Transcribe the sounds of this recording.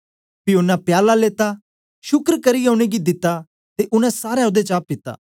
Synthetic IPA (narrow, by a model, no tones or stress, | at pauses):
pɪonapjaːlaleːt̪a | ʃʊkɾkɐɾiõːɽ̃eɡid̪ɪt̪ːa | t̪eʔʊnɛ̃saːɾɛod̪et͡ʃaːp̚pɪt̪ːa̰ː